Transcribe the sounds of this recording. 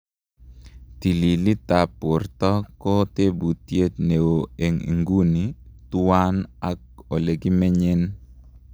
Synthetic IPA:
t̪i˨li˨li˦t̪a˨pʊ˨rtɔ˦kɔ˦te˦bu˨tje˦t̪ne˨wo˨e˨ŋḭ˨ŋɡu˦nitu˦a˦na˦k̚o˨le˨ɡi˦mɛ˦ɲe˦n

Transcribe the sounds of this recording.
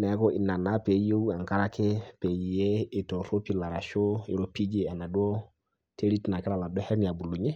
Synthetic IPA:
na˨˦kɔ˦ʔi˨na˨na˦pe˨je˦u˦a˨ŋka˦ɾa˦ke˦pe˨ji˨je˦i˨to˨ɾo˦pi˦la˨ɾa˨ʃo˦ḭ˨ɾo˦pi˦d͡ʒe˨a˨na˨du˦o˦ | tʰe˦ɾi˦tna˨kɪ˦ɾa˨la˨dɔ˦hɛ˦ɾni˨a˨bu˨lu˨ɲe˦

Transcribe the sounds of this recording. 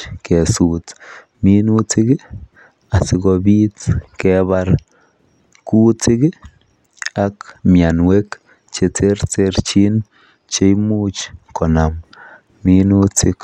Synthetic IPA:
ke˨su˨t | mi˦nu˦t͡si˦ɡ | a˨si˦ɡo˧bi˦t͡ske˦baɾ | ku˦t͡si˦ɡ | a˦kmja˨nwe˦k | t͡ʃe˧t͡se˦ɾt͡se˦ɾt͡ʃi˦n | t͡ʃe˦jmu˦t͡ʃko˨na˨m | mi˦nu˦t͡sɪ˦k

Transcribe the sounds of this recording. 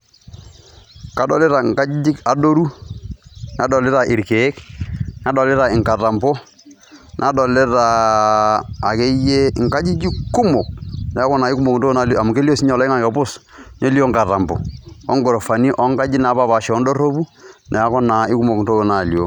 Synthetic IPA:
ka˨dɔ˨le˦ɾa˨ŋka˦d͡ʒi˦d͡ʒi˦ka˨do˦ɾu˦ | na˨dɔ˨lɪ˦ɾa˨ʔɪ˨ɾke˨e˦kna˦dɔ˨lɪ˦ɾa˨ɪ˨ŋka˨ta˨mbo˦ | nʔa˨dɔ˨le˦ɾa˨ | ke˦je˦˨ŋka˦d͡ʒi˦d͡ʒi˦ku˦mo˨k̚nɛ˨a˦kɔ˦na˨ɪ˦ku˦mo˨kn̩to˦o˦na˨la˨mu˨ke˦li˦o˦si˦ɲɔ˨lɔ˦ɪ˦ŋa˨kɔ˨bʊ˦s | ɲo˦li˦o˦ŋka˨ta˨mbo̰˨ɔ˦ŋɡo˨ɾo˨fa˨ni˦ʔɔ˦ŋka˦d͡ʒi˦na˨˦ba˦˨ba˨ʃɛ˨ɔ˦ndo˦ro˦bu˦nʔɛ˨a˦kɔ˦na˨ɪ˦ku˦mo˨kn˨to˦o˨na˨ljo˨

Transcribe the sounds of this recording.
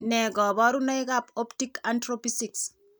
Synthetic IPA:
nɛ˨ɡɔ˨bɔ˦ɾu˦na˦ɪka˦po˦ptikantɾopisiks

